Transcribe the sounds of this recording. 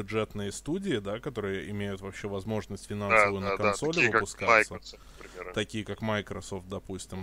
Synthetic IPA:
ʊʐɛt̪nɨjəst̪udʲɪɪd̪akɐt̪o̞ɾɨjəʔɪmʲejʊt̪vɐpɕːevɐzmo̞ʐnəsʲtʲfʲɪnansəvəjʊnəkɐnso̞lʲɪvɨpʊskasə | t̪ɐkʲijəkakmajkɾɐso̞ft̪̚d̪ɐpusʲtʲɪm

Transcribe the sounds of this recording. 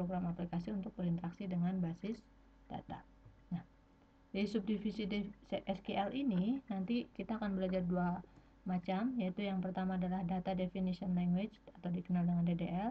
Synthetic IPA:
pɾoɡɾamaplikasiunt̪ʊk̚bəɾint̪əɾaksidəŋanbasɪs | d̥a̰t̪a̰ | nah | disʊp̚difisidesʔɛskeʔɛlʔininant̪ikit̪aːkanbəlad͡ʒardua | mat͡ʃamjait̪ujaŋpərt̪amaːdalahdat̪adefinisiɔnlaŋɡwet͡ʃat̪awdikənaldəŋandedeʔɛl

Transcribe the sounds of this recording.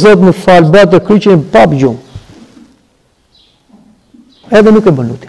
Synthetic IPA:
zɔt̪məfalbat̪əkɾit͡ʃənpapd͡ʒum | ɛðɛnukɛbənut̪i̥

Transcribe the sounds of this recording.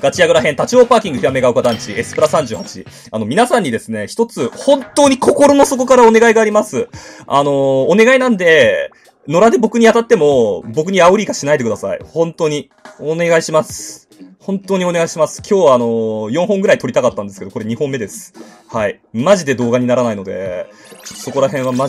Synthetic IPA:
ɡ̥at͡ɕijaɡɯ̟ɾaɦẽ̞nt̪at͡ɕio̞ːpaːkʲĩŋɡɯ̟çiɾame̞ɡaɯ̟kad̪ãɲt͡ɕiesɨ̥pɯɾasãɲ̟d͡ʑɨːhat͡ɕḭ | ano̞mʲinasãɲ̟ːid̪e̞sɨne̞çi̥t̪o̞t͡sɨhõ̞nt̪o̞ːɲ̟ikʰo̞ko̞ɾo̞no̞so̞ko̞kaɾao̞ne̞ɡaiɡaːɾʲimasɨano̞ːne̞ɡainãnd̪e̞ | no̞ɾad̪e̞bo̞kɯ̟ɲ̟iat̪at̪ːe̞mo̞bo̞k̬ɯ̟ɲ̟iaɯ̟ɾʲiːɡaɕinaid̪e̞kɯ̟d̪asa̰ḭhõ̞nt̪o̞ːɲ̟i | one̞ɡaiɕimasɨ̥ | hõ̞nt̪o̞ːɲ̟io̞ne̞ɡaiɕimasɨ̥kʲo̞ːβaːno̞jõɰ̃ɦõ̞ŋɡɯ̟ɾait̪oɾit̪akat̪ːãnd̪e̞sɨ̥ke̞d̪oko̞ɾe̞ɲ̟ihõ̞mːe̞d̪e̞sɨ̥ | hai | maʑid̪e̞d̪o̞ːɡaɲ̟inaɾanaino̞d̪e̞̰ | ot̪ːso̞ko̞ɾaɦẽ̞ɰ̃βama

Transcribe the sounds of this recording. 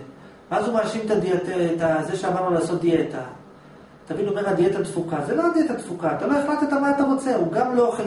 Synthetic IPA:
veazumaaʃimt̪ad̪ietet̪azeʃeamaʁnulaːso̞t̪̚d̪ie̞t̪a | t̪amido̞me̞ʁad̪iet̪ad̪fukazelo̞ad̪iet̪ad̪fukaːt̪alo̞eχlat̪et̪amaat̪amot͡se̞uɡamlo̞χe

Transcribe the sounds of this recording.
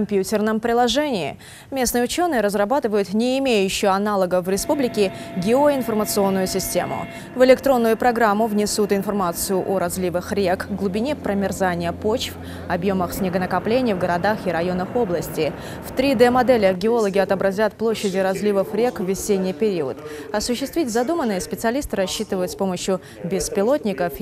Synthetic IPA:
ɐmʲpʲjutʲɪrnəmpɾʲɪlˠɐʐɛnʲɪ̰ː | mʲe̞snɨjʊt͡ɕo̞nːɨjəɾəzrɐbat̪ɨvəjʊt̪nʲɪːmʲejʉɕːɪjɐnalˠəɡəvɾʲɪspublʲɪkʲɪ | ɡʲɪoɪnfərmət̪sɨo̞nːʊjʊsʲɪsʲtʲe̞̰mʊ̰ | vɨlʲɪkt̪ɾo̞nːʊjʊpɾɐɡɾamːʊvnʲɪsut̪ɪnfɐrmat̪sɨjʊʔoɾɐzʲlʲivɨxɾʲe̞kɡlˠʊbʲɪnʲepɾəmʲɪrzanʲɪjəpo̞t͡ɕf | ɐbjo̞məxsʲnʲɪɡənəkɐplʲenʲɪjvɡəɾɐd̪axɪɾɐjo̞nəxo̞blˠəsʲtʲɪ | ft̪ɾʲid̪ɛmɐd̪ɛlʲɪɡʲɪo̞lˠəɡʲɪɐt̪əbɾɐzʲat̪plˠoɕːɪdʲɪɾɐzʲlʲivəfɾʲe̞kvvʲɪsʲenʲːɪjpʲɪɾʲiə̰t̪ɐsʊɕːɪst̪vʲitʲzɐd̪umənːɨjəspʲɪt̪sɨɐlʲist̪ɨɾɐɕːit̪ɨvəjʊt̪spo̞məɕjʊ | bʲɪspʲɪlˠo̞t̪ʲnʲɪkəf

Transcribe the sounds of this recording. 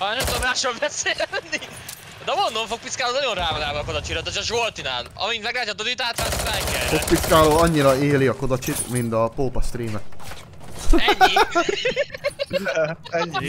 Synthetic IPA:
nɛmt̪ommaːʃolbɛseːnːi | d̪ɛmo̞nd̪oɱfo̞k̚piskaːloːnɒjo̞nraːvonaːbɯːko̞d̪ɔt͡ʃiɾɔt̪ot͡ʃɔʒolt̪ina̰ːlɒ̰mint̪mɛɡlaːtːɛt̪ːod̪yt̪aːt̪fɛslɛŋkɛfok̚piskaːloːɒɲːiɾɒeːliɒko̞d̪ɒt͡ʃit̪mint̪ɒpoːpɒst̪riːmɛ | ɛ

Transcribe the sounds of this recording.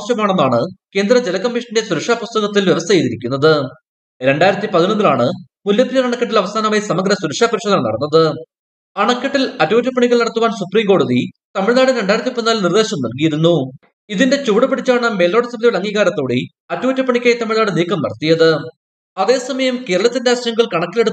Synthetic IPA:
ɕjɐmaːɳenːaːɳɨke̞ːnd̪ɾɐd͡ʑe̞lɐkɐmːiʂɐnndesuɾɐkʂaːpust̪ɐɣɐt̪ːilʋjeʋɐst̪ʰɐjit̪iɾikʲːunːɐðɨ | ɾe̞ɳɖaːjiɾɐt̪ːipɐðinɐnd̪ila̰ːɳɨ | muljɐpːiɾjɐnɐɳɐkːɐʈːilɐʋɐsaːnɐmaːjsɐmɐɡɾɐsuɾɐkʂaːpɐɾiɕod̪ɐmnːɐɽɐnːɐðɨ | ɐɳɐkːɐʈːilɐtːuːtːɐpːɐɳiɣɐɭnɐɽɐt̪ːuʋaːnsupriːmko̞ːɽuðit̪ɐmiɻnaːɽɨɾe̞ɳɖaːjiɾɐt̪ːipɐðinaːlnird̪e̞ːɕɐmnɐlkijiɾunːu | iðinde̞t͡ɕuːɽɐpɐɽit͡ɕːaːɳɨme̞ːlo̞ːɽɐsɐmiðijɭɐŋːiːɣaːɾɐt̪ːo̞ːɽi | ɐtːuːtːɐpːɐɳikʲːaːjɐt̪ɐmiɻnaːɽɨniːkːɐmnɐ̰ɽɐt̪ːijɐðɨ | ɐðe̞ːsɐmɐjɐmke̞ːɾɐɭɐt̪ːinde̞aːɕɐjɐŋɡɐɭkɐɳɐkːileɽu

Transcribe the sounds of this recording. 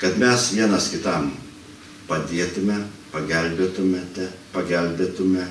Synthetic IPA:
kɐt̪mʲɛsʋʲiɛnɐskʲɪt̪ɐm | pɐd̪ʲiɛt̪ʊmʲɛpɐɡʲɛlʲbʲeːt̪ʊmʲɛt̪ʲɛpɐɡʲɛlʲbʲet̪ʊmʲɛ

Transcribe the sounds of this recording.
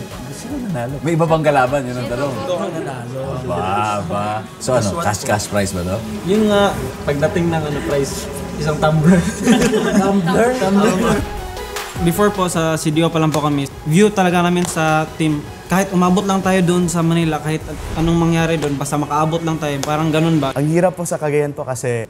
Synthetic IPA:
ɡʊsɐnɐnaːlomɐjʔɪbabɐŋkɐlaːbɐnjɐnɐŋt̪ɐnoŋt̪okɐnɐd̪aːlobaba | soʔɐnokaskaspɹajsbɐt̪o | jʊnŋaʔpɐɡ̚d̪ɐt̪ɪŋnɐŋɐnopɾajs | ʔɪs̬aŋt̪ambɛɹ | t̪ambɛt̪am | bɪfoɹpo̞sɐsid̪iʔopɐlaŋpokɐmɛ | vjut̪ɐlɐɡanaːmɪnsɐt̪ɪm | kaːhɪt̪ʔʊmaːbot̪lɐŋt̪aːjo̞d̪oʔonsɐmɐnɪlɐkaːhɪt̪̚ʔɐnoŋmɐŋjaːɾɛd̪oonbaːst̪ɐmɐkɐʔaːbot̪̚lɐŋt̪aːjopaːɾɐŋɡɐno̞nbaʔɐŋhiːɾɐpːosɐkɐɡɐjanpokɐsɛ

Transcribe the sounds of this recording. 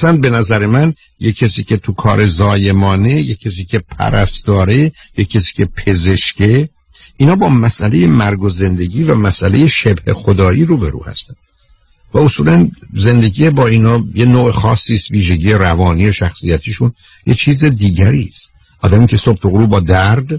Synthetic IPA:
sæn̚be̞næzæɾe̞mæn | jecʰːesiːcʰe̞t̪ʰukʰɒ̰ːɾe̞zɒːje̞mɒːne̞jecʰes̬iːcʲʰe̞pʰæ̰ɾæ̰st̪d̪ɒːɾejecʰːesi̥ːcʰe̞pʰe̞ze̞ʃcʰe̞ | ʔiːnhɒːbɒːmæsʔæle̞je̞mæɾɡoze̞nd̪e̞ɟiːvæmæsʔæle̞je̞ʃebhexod̪ɒːʔiːɾuːbeɾṵːhæ̰st̪æn | væosuːlænze̞nd̪e̞ɟiːjebɒːiːnhɒːjenoːʔexɒːsːiːst̪viːʒe̞ɟiːje̞ɾævɒːniːoʃæxsijæt̪ʰiːʃun | jet͡ʃʰiːzed̪iːɟæɾiːst̪ | ʔɒːd̪æmiːcʰe̞sobt̪oɣɾuːbɒːd̪æɾd̪

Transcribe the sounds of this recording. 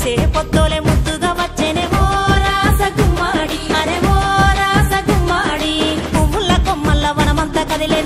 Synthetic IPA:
t͡ʃeːpɔt̪ːoːlemud̪ud̪ɐʋɐt͡ʃːeneʋɔːɾaːsɐkumːaːɽiɐɾeʋɔːɾaːsɐkumːaːɽikumːulːɐkɔmːɐlːɐʋɐnɐmɐnt̪ɐkɐd̪ileː

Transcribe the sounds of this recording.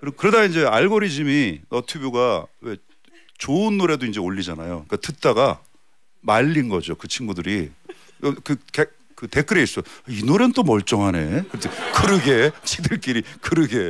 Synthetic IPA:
kɯɾkɯɾedaind͡ʑe̞aɭɡoɾid͡ʑiminʌtʰubjuɡawe̞ | t͡ɕoɯnːoɾe̞doind͡ʑe̞oʎːid͡ʑana̰joik͈atɯt͈aɡa | maʎːinɡʌd͡ʑokɯt͡ɕʰinɡudɯɾi | kɯke | kɯte̞k͈ʰɯɾeis͈ainoɾenɯnt͈omʌɭt͡ɕ͈ʌŋɦane̞̰kɯɾetʰekɯɾɯɡe̞t͡ɕʰidɯɭk͈iɾikɯɾɯɡe̞

